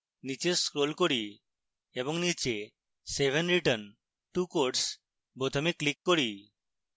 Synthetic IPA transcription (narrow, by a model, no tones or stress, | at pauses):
nit͡ʃeskɾolkoɽi | ebɔŋnit͡ʃe | sebʱenɾiʈən | ʈukoɾʈs | pɾot̪ʰomeklikːoɾi